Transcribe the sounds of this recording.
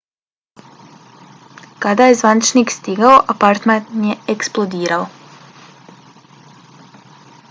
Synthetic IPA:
kad̪ajezʋanit͡ʃniːkst̪iɡaoʔapaɾt̪majeeksplˠod̪iːɾao

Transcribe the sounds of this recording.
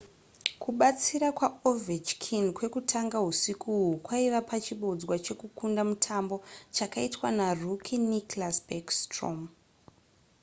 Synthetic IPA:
kʰuɓat͡siɾakwaovit͡ʃkʰinkwe̞kutʰaŋɡaɦusikʰuɦukwaiʋapat͡ʃiɓod͡zwat͡ʃe̞kukundamutʰambo̞t͡ʃakaitwanarukʰiniklaspekstro̰m

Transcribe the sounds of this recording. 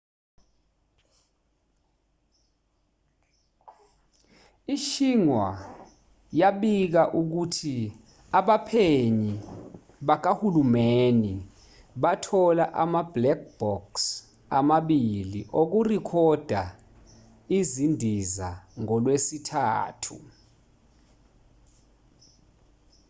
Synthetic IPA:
iʃiŋwa̰ | jaɓik̬aʔuk̬utʰi | aɓapʰeɲi | ɓak̬ahulumeni | ɓatʰɔlaʔamablɛk̚b̥ɔks | amaɓiliʔok̬urikʰɔd̥ʱa | izindʱizaŋɔlwesitʰa̰ːtʰṵ

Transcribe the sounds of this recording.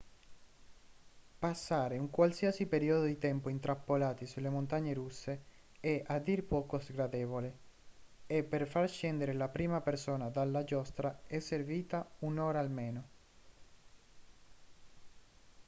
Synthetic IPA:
pasːaːɾeuŋkwalsiasipeɾiod̪od̪it̪ɛmpoint̪ɾapːolaːt̪isulːemont̪aɲːeɾusːe | ɛʔad̪ːirpɔːkosɡɾad̪eːvole | ɛpːerfarʃɛnd̪eɾelapɾiːmapersoːnad̪alːad͡ʒɔst̪ɾaɛsːerviːt̪aunoːɾaːlmeːno

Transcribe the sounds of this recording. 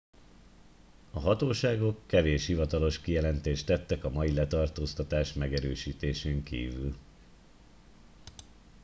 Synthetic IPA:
ɒɦɒt̪oːʃaːɡo̞kːɛveːʃhivɒt̪ɒlo̞ʃkijɛlɛnt̪eːʃt̪ɛt̪ːɛkɒmɒjilɛt̪ɒrt̪oːst̪ɒt̪aːʃmɛɡɛɾøːʃiːt̪eːʃeːŋkḭːvyl

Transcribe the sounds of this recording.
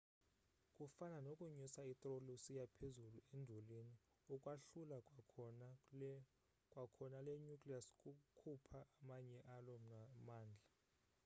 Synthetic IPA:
kʼufananokʼuɲusait̪ʼrolusijapʰezuluendʱulini | ukʼwaɬula | kʼwakʰɔnaleɲukʼliaskʼukʰupʰaʔamaɲɛʔalɔamaːnd͡ɮʱa

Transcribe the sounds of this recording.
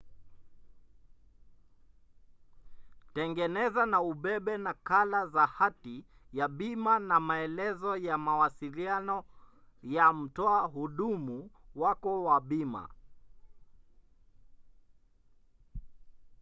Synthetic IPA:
tɛŋɡɛnɛzanauɓɛɓɛnakalazahati | jaɓimanamaɛlɛzɔjamawasilianɔ | jam̩tɔaɦuɗumuwakɔwaɓima̰

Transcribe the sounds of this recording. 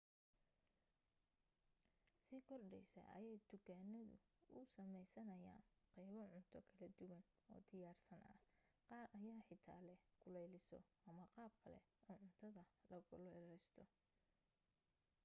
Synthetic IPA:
sɪkʰɔrɖɛjsɐ̰ʔɐ̰jɛjd̪̥ʊkʰaːnɐðʊ̰ʊ̰ːsɐmɛjsɐnɐja̰ːnqɑjβɐʕʊnt̪ʰɔkʰɐlɐd̪ʊwɐn | ɔ̰ːd̪ɪjaːrsɐnʔɐ̰qɑːrʔɐjaːħɪt̪ʰa̰ːlɛkʰʊlɛjlɪsɔ̰ʔɐmɐqɑːb̚kʰɐlɛ̰ʔʊːnʕʊnt̪ʰɐðɐlɐɣʊlɛɾɛjst̪ʰɔ

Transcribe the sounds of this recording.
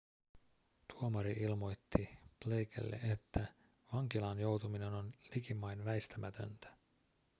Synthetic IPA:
t̪uomɑɾiʔilmo̞jt̪ːib̥le̞jkʰḛlːḛʔet̪ːæ | ʋɑŋk̟ilɑnjo̞wt̪umine̞no̞nlikimːɑjnʋæjst̪æmʔæt̪ʰø̞̰nt̪æ̥

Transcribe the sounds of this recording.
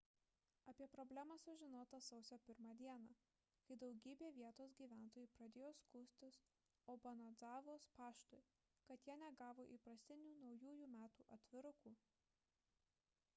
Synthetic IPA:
ɐpʲiɛpɾɔbʲlʲæmɐsʊʒʲɪnoːt̪ɐsɐʊsʲoːpʲɪɾmɑːd̪ʲiɛnɑː | kɐɪd̪ɒʊɡʲiːbʲeːʋʲiɛt̪oːs̬ɡʲiːʋʲæˑnt̪oːjuːpɾɐd̪ʲeːjoːskuːsʲt̪ʲɪs | oːbɐnɐd̪zɑːʋoːspɑːʃt̪oɪ | kɐt̪jiɛnʲɛɡɑːʋoːʔipɾɐsʲt̪ʲɪnʲuːnɒʊjuːjuːmʲæːt̪uːʔɐt̪ʲʋʲɪɾʊkuː

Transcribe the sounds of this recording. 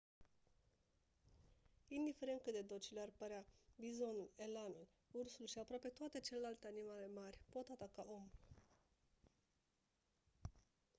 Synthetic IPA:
ind̪ife̞ɾe̞nt̪kɨt̪d̪ed̪o̞t͡ʃilearpəɾeabizo̞nulelanul | ursulʃiapɾoape̞t̪oat̪e̞t͡ʃe̞le̞lalt̪eanimale̞marʲpo̞t̪at̪akaʔomu

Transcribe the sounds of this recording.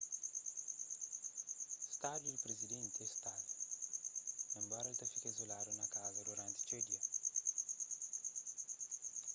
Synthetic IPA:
st̪ad̪uipɾezid̪ent̪ɛst̪alu | nɐmbaɾalt̪afikaizolaɾunɐkazɐd̪uɾant̪i̥t͡ʃed̪jɐ

